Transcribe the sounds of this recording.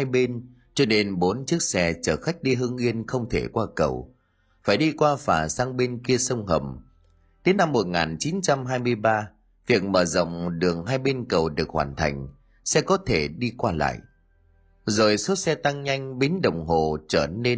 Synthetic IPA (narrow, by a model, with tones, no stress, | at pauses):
ha˧jɓe˧n | t͡ɕɔ˧ne˧nɓo˨˦nt͡ɕɨ˦˥ək̚sɛ˧t͡ɕəː˧˩xa˦˥k̟̚ɗi˧ɦɨ˧ŋʔi˧ənxə˧wŋ͡mt̪ʰe˧˩kwaː˧kə˨˩w | faː˧˩jɗi˧kwaː˧faː˨˩saː˧ŋɓe˧nki˧əsə˧wŋ͡mɦə̰˨˩m | t̪e˨˦na˧mːo˨˩t̚ŋaː˨˩nt͡ɕi˨˦nt͡ɕa˧mɦaː˧jmɨ˧əjɓaː˧ | vi˨˩ək̚məː˧˩zə̰˧˨wŋ͡mɗɨ˨˩əŋɦaː˧jɓe˧nkə˨˩wɗɨ˨˩ək̚hwaː˨˩nt̪ʰa̰˨˩jŋ̟ | sɛ˧kɔ˨˦t̪ʰe˧˩ɗi˧kwaː˧la̰ː˧˨jʔ | zo˨˩jso˦˥t̚sɛ˧t̪a˧ŋɲa˧jŋ̟ɓi˨˦nɗə˨˩wŋ͡mɦo˨˩t͡ɕəː˧˩ne˧